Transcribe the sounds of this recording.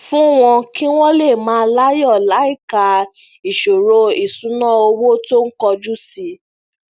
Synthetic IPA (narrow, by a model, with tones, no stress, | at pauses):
fũ˦w̃ɔ̃˧ki˦w̃ɔ̃˦le˦˨mãː˨˦˧la˦jɔ˦˨la˨˦i˦˨ka˧ | i˨ʃo˨ɾo˧i˨sũ˨˦nã˦o˧wo˦to˦n̩˦kɔ˧d͡ʒu˦si˧˦